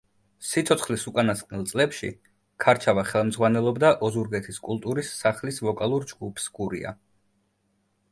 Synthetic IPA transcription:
sit̪sʰɔt̪sʰχlisukʼanast̪qʼnilˠt̪sʼlɛpʃḭ | kʰaɾt͡ʃʰavaχɛlˠmd̪zʁwanɛlˠɔbd̪aʔɔzuɾɡɛt̪ʰiskʼulˠt̪ʼuɾisːaχlisvɔkʼalˠuɾd͡ʒɡupʰsɡuɾḭa̰

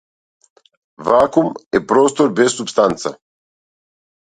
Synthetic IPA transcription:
vaːkumepɾoːst̪oɾbesːupst̪ant̪sa̰

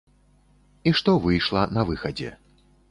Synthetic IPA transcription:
iʂt̪ɔvɨjʂlˠɐnɐvɨxɐd͡zʲɛ̰

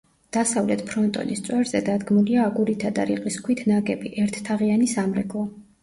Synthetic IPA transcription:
d̪̥asavlɛt̪ʰpʰɾɔnt̪ʼɔ̰nist̪sʼwɛɾzɛd̪ad̪ɡmuliaːɡuɾit̪ʰad̪aɾiqʼiskʰwit̪ʰnaɡɛbiʔɛɾt̪ʰt̪ʰaʁianisamɾɛɡlˠɔ

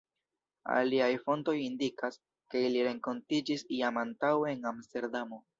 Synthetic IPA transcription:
a̰liajfo̞nto̞jindikas | ke̞iliɾe̞ŋko̞ntid͡ʒisiamantaweenamste̞ɾdamo̞

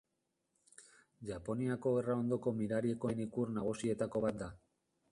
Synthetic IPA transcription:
ʝapo̞niako̞erao̞nd̪o̞ko̞miɾaɾie̞ko̞e̞nikurnaɣ̞usie̞t̪ako̞βat̪̚d̪a

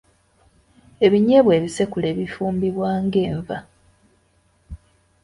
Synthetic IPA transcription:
e̞βiɲe̞βwe̞ːβise̞kule̞ːβifuːmbiβwaːŋɡe̞ːɱva

